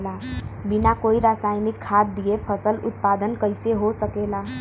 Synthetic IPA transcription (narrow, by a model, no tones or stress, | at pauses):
labinakoiɾasajmikʰːat̪̚d̪iepʰəsəlʊ̰t̪̚pad̪ənkəɪseɦosəkela